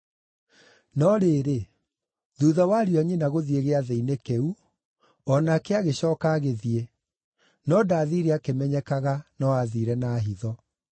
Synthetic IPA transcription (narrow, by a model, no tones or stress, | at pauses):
nɔɾeːɾe | ðuːðawaɾjɔɲinaɣoðieɣeaðeinekɛu | ɔnaːkeaɣeɕɔːkaːɣeðiɛ | nɔdaːðiɾɛakemɛɲɛkaɣanɔaðiɾɛnaːɦiðɔ